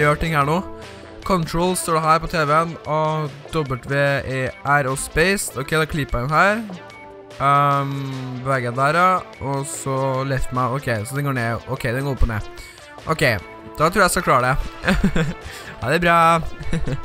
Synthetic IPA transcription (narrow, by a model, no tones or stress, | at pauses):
jøːʈɪŋːhæːɳoː | kʰɔnt̪ʰɾoːlst̪oːɖɛɦæːɾpɔt̪ʰeːʋɛənɔd̪ɔbət̪ʋɛʔæɾoːspɛɪsɔkʰɛɪd̪ɑːkʰlɪpːæɪnhɦæːɾ | bɛʋeːɡəjæd̪æɾɑʔɔsɔlɛft̪mæɪɔkʰɛɪsɔd̪ɛnɡoːɾɳeːʔɔ̰kʰɛɪd̪ɛnɡoːɾʊpːɔnḛː | ʔɔkʰeɪ | d̪̥ɑt̪ʰɾʉːjæsɔɑkʰlɑːɖɛ | hɑd̪æbɾɑː